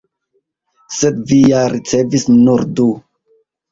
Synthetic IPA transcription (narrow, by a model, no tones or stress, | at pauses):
sed̪vijaɾit͡sevisnuɾdu